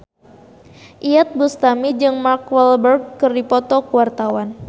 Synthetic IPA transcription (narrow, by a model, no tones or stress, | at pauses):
ʔiat̪̚bust̪amid͡ʒɨŋmarkwɛlbərɡ̚ːɨrdipɔt̪ɔkuwart̪awan